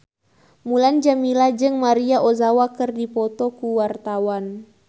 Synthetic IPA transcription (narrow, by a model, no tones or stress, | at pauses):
muland͡ʒamilad͡ʒɨŋmaɾiaʔozawakɨrdipɔt̪ɔkuwart̪awan